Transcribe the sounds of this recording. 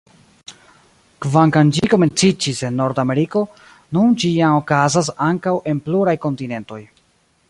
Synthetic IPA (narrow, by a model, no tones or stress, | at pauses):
kvaŋkand͡ʒiko̞me̞nt͡sid͡ʒise̞nːo̞ɾdame̞ɾiko̞ | nund͡ʒiano̞kazas̬aŋkawʔe̞npluɾajko̞ntine̞nto̞j